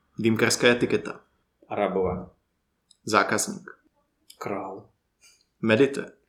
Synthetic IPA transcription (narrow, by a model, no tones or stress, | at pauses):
d̪imkaɾskaɛt̪ikɛt̪a̰ | ɾabova | zakaznḭk | kɾal | mɛd̪it̪ɛ̰